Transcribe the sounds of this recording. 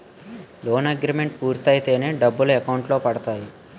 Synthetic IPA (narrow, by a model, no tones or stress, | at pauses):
loːnɐɡɾiːme̞ɳʈ̚kuːɾt̪ɐjt̪e̞ːneːɖɐbːuluɛkɐwɳʈlo̞ːpɐɽɐt̪aːji